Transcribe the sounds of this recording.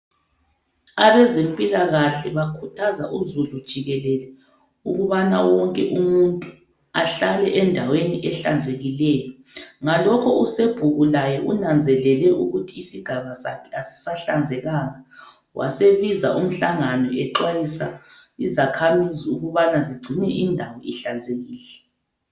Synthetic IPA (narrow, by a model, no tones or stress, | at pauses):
aβɛzempʼilaɣaɬɛβakʰutʰazaʔuzulud̥ʒ̥ʱiɣɛlɛlɛ | uɣuβana̰wɔŋkʼɛʔumuntʼu | aɬalɛʔɛndʱaweniʔɛɬa̰nd͡zʱeɣilɛːjɔ | ŋalɔkʰɔuseb̥ʱuɣulajɔʔunand͡zʱɛlɛlɛʔuɣutʰiːsiɡ̥ʱaβasakʰɛasi̥saɬand͡zʱɛɣaːŋa | wʔa̰seβizaʔum̩ɬaŋanɔɛǁwajisa̰izakʰamiziuɣuβanaziɡ͡ǀʱinɛʔindʱawɔiɬand͡zʱeɣiːlɛ